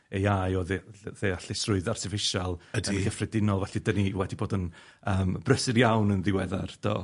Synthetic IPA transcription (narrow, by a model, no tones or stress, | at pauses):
ejajɔððeaɬɪsrʊɨðartʰɪfɪʃalˠədəiɡəfrɛdɪnɔlˠvɛɬidəniwɛdiboːdən | əːmb̥rəsɪɾjawnənðɪwɛðard̥ʰɔ̰ː